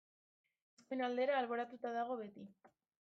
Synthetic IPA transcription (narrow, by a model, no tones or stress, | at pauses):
eskuenald̪e̞ɾaːlβo̞ɾat̪ut̪aðaɣ̞o̞βe̞t̪i